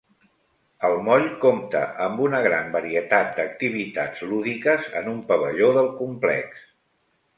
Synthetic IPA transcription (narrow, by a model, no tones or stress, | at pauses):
əlˠmɔʎkomt̪ə̰ʔəmbunəɣ̞ɾambəɾiət̪at̪̚d̪ək̚t̪iβ̞it̪ad͡zluðikəzə̰numpəβəʎoðəlˠkumplɛ̰ks